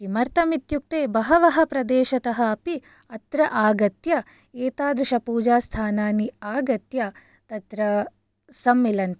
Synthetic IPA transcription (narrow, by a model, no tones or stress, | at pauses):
kimɐɾt̪ɐmit̪juk̚t̪eːbɐɦɐʋɐɦɐpɾɐd̪eːʃɐt̪ɐɦɐɐpi | ɐt̪ɾɐʔaːɡɐt̪jɐ | eːt̪aːd̪ɾuʃɐpuːd͡ʒaːst̪ʰaːnaːniaːɡɐt̪jɐ | t̪ɐt̪ɾɐ | sɐmːilɐnt̪